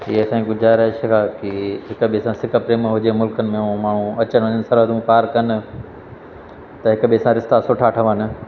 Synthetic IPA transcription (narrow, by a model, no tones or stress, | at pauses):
iesãĩɡʊd͡ʑaːɾəʃəkʰaːkiɦɪkɓiəsãsɪkəpɾeːmɦʊd͡ʑemʊlkənɪ̆mẽũmaːɳ̤ũɐt͡ɕənʋɐɲənɪsɐɾɦəd̪ʱũpaːɾkɐnɪ̆ | t̪ɐɦɪkɓiəsãɾɪst̪asʊːʈʰaʈʰəʋənɪ̆